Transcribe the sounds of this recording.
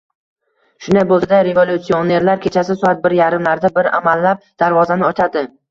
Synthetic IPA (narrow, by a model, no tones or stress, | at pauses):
ʃʊnd̪ajbolˠsad̪aɾe̞volʲut̪sione̞ɾlaɾkʲʰe̞t͡ʃʰasɪsɒat̪̚bɪɾjaɾɪmlaɾd̪abɪɾa̰malːap̚d̪̥aɾvɒzanɪɒt͡ʃ̪ʰad̪ɪ